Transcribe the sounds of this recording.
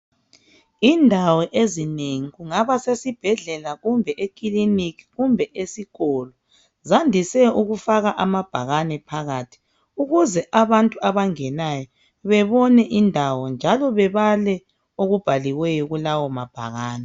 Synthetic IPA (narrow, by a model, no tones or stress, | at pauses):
indʱawɔʔezineŋiɣuŋaβasesib̥ʱɛɮɛlaɣumbʱɛʔekʼiliniɣi̥ɣumbʱɛʔesiɣɔlɔ | zandʱisɛuɣufaɣaʔamab̥ʱaɣanɛpʰaɣaːtʰi̥ | uɣuzɛʔaβantʼuaβaŋɛnajɔ | βɛβɔnɛʔindʱawɔnd͡ʒʱalɔβɛβalɛ | oɣub̥ʱaliwɛjɔɣulawɔmab̥ʱa̰ɣaːnɛ